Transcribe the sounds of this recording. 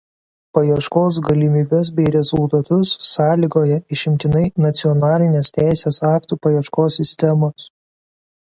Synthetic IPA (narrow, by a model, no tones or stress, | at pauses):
pɐjɛʃkoːs̬ɡɐlʲimʲiːbʲɛs̬bʲɛɪɾʲɛzʊlˠt̪ɐt̪ʊsːɑːlʲiːɡoːjɛɪʃʲɪmʲt̪ʲɪnɐɪnɐt̪sʲɪɔnɑːlʲɪnʲeːst̪ʲæˑɪsʲeːsɑːkt̪uːpɐjiɛʃkoːsʲːɪsʲt̪ʲɛmoːs